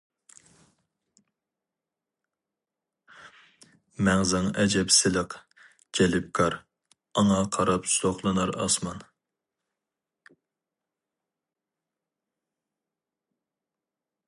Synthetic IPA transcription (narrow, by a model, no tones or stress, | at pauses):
mɛŋzɨŋɛd͡ʒɛpsɪləq | d͡ʒɛlɪp̚kʰɑɾ | ɑŋɑqʰɑɾɑpst̪oχlˠɨnɑɾɑ̰smɑn